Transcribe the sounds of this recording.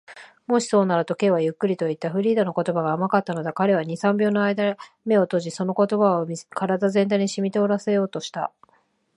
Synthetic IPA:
mo̞ɕi̥so̞ːnaɾɯ̟t̪o̞ke̞ːβajɯ̟kːɯ̟ɾʲit̪o̞it̪ːaɸɯ̟ɾʲiːd̪ono̞ko̞t̪o̞baɡaːmakat̪ːano̞d̪ekaɾe̞β̞aɲ̟isãmbʲo̞ːno̞aid̪a | me̞o̞t̪o̞ːʑiso̞no̞ko̞t̪o̞baokʰaɾad̪azẽ̞nt̪̬aiɲ̟iɕimʲit̪e̞o̞ɾase̞jo̞ːt̪o̞ɕi̥t̪a̰

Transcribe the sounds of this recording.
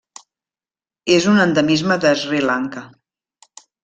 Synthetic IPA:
ezunənd̪əmizməðəzrilaŋkə

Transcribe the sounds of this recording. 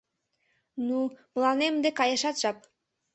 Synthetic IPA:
numlɑnemd̪ekɑjɤ̆ʃɑt̪ʒ̥ɑp̚

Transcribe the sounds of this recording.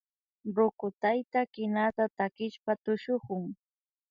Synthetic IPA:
ɾʊkʊt̪ajt̪akɪnat̪at̪akɪʃpat̪ʊʃoχʊŋ

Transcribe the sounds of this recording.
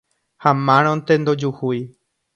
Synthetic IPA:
hamãɾ̃õnt̪ẽnd̪od͡ʒuhuj

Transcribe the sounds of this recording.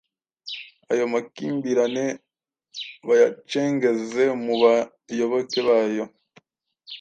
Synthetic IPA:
a̰jo̞makiːmbiɾane̞ | βajat͡ʃe̞ːŋɡe̞ze̞muβa | jo̞βokeβaːjo̞

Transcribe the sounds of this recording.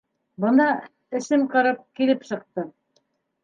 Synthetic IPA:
bɤ̆nd̪ɑ | ɘ̆sɘmqɑɾɑp̚kilɘpsɤ̆q̚t̪ɤ

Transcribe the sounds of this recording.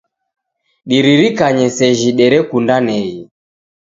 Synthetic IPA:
ɗiɾiɾikaɲɛsɛʒiɗɛɾɛkundanɛi

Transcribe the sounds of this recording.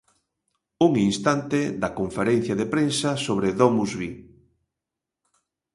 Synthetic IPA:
uŋinst̪ant̪ed̪ɐkoɱfeɾɛn̟θjaðepɾensasoβ̞ɾeðomuzβi

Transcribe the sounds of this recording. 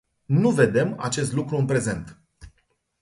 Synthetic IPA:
nuve̞d̪e̞ma̰t͡ʃe̞s̬t̪lukɾuɨnpɾe̞ze̞nt̪

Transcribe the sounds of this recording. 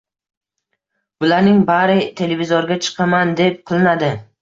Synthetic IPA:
b̥ʊlaɾnɪŋbaɾɪt̪ʰe̞le̞vizoɾɡʲat͡ʃʰɨ̥qʰɑmand̪e̞p̚qʰɨlˠɪnad̪ɪ

